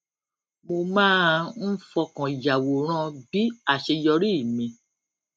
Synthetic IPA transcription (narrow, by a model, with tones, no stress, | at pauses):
mo˧mãː˦n̩˦fɔ˧kã˨i˨ja˨wo˨ɾ̃ã˧bi˦a˦˨ʃe˧jɔ˧ɾi˦i˦˨mĩ˧